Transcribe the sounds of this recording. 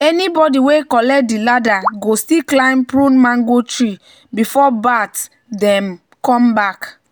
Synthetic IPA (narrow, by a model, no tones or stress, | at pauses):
ɛnibɔdiwekɔlɛdiladaɡostiklãɪ̃mpɾũnmãŋɡotɹi | bifɔbat | dɛ̃m | kɔ̃mbak